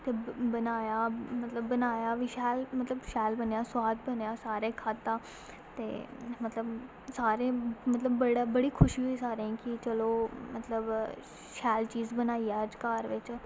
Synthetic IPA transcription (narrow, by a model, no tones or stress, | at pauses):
t̪eːbənaːjaːmət̪ləbːənaːjaːʋiːʃɛːlmət̪ləbʃɛːlbənjaːswaːt̪bənjaːsaːɾeːkʰad̪ãː | t̪ḛːmət̪ləb | saːɾẽːmət̪ləbːəɽabəɽiːkʰʊʃiiːsaːɾẽːkɪt͡ʃəloːmət̪ləb | ʃɛːlt͡ʃiːzbənaːiːaːəd͡ʒkaːɾʋɪt͡ʃ